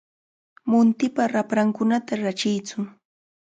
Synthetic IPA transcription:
mʊnt̪ɪpaɾapɾaŋkʊnat̪aɾat͡ʃɪjt͡sʊ

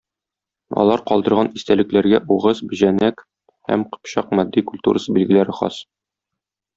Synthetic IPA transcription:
ɒ̰lˠɑɾqɒlˠd̪ɤ̆ɾʁɑnist̪ælɘ̆klæɾɡæʔuʁɤzbɘ̆ʑænæk | hæ̰mqɤ̥̆pɕɑq̚mɒd̪ːikulʲt̪ṵɾʔəsɤbilɡɘ̆læɾɘχɒ̰s

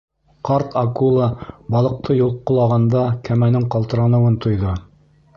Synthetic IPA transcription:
qɑɾt̪ʰɑkulˠɑbɑlˠɤ̆q̚t̪ʰɤjulˠqŏlˠɑʁɑnd̪ɑkæmænɘɴqɑlˠt̪ɤ̆ɾɑnɤ̆wɤnt̪ʰŏjðɤ

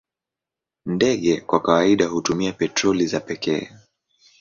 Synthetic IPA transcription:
ndɛɠɛkwakawaiɗaɦutumiapɛtɾɔlizapɛkɛ̰ː

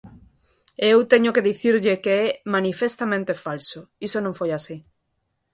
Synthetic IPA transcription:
ewt̪eɲʊkeðiθiɾʎekeɛmanifest̪amẽnt̪efalsoisonõŋfojasi

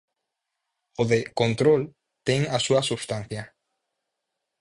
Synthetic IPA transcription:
oðekont̪ɾol | t̪eŋasuɐsuβst̪an̟θja

